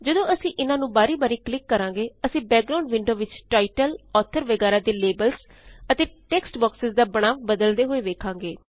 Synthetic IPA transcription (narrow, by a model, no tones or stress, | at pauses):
d͡ʒəd̪õːʔəsĩːʔɪnãːnũːbaːɾiːbaːɾiːklɪkːəɾãːŋɡeːəsĩːbɛːk̚ɡɾaːʊɳɖʋɪɳɖoːʋɪt͡ʃʈaːɪʈəlɔːt̪ʰəɾʋəɡɛːɾaːd̪eːleːbəlz | ət̪eːʈɛːksʈbɔːksɪzd̪aːbəɽ̃aːʋbəd̪əld̪eːɦoːeːʋeːkʰãːŋɡeː